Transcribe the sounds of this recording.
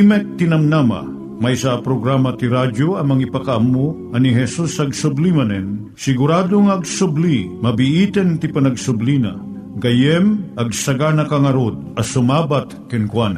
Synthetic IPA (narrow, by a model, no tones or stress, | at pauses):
imɛk̚t̪ɪnɐmnama̰ | mɐjsapɾoɡɾamɐt̪iɾadjoɐmɐŋipɐkaʔɐmːo | ɐniɦɛsusɐɡsʊblimɐnɛn | sɪɡʊɾad̪oŋaɐɡsʊblimɐbiʔit̪ɛnt̪ipɐnɐɡsʊblina̰ | ɡɐjɛmʔɐɡ̚sɐɡanɐkaŋɐɾod̪̚ɐsʊmabat̪kɪnkwan